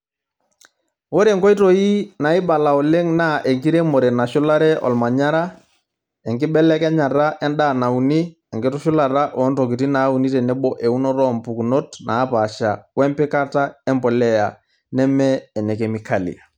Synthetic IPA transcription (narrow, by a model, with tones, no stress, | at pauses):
ɣo˦ɾe˨ŋɡɔ˦i˦to˦i˦na˨i˦ɓa˨la˨ɔ˨le˦ŋna˦˨ʔe˨ŋɡi˦ɾe˦mo˨ɾɛ˨na˨ʃʊ˦la˦ɾɛ˦ʔɔ̰˨lma˨ɲa˦ɾa˦ | ɛ˨ŋɡɪ˦ɓɛ˦lɛ˦kɛ˦ɲa˨ra˦ʔɛ˦nɗa˦˨na˨u˨ni˦ | ɛ˨ŋɡɪ˦tu˦ʃʊ˦la˨ra˦ʔɔ˨˦nto˨k̬i˨ti˦na˨˦u˨ni˦tɛ˨nɛ˦ɓɔ˦ʔɛ˨u˦nɔ˦ɾɔ˦mpu˨ku˨no˦tnaː˨˦pa˨ʃa˨wɛ˦mpɪ˦ka˦ta˦ɛ˦mbɔ˨lɛ˦ja˨ | nɛ˦mɛː˦˨nɛ˨kɛ˨mi˨ka˨lḭ˨a˨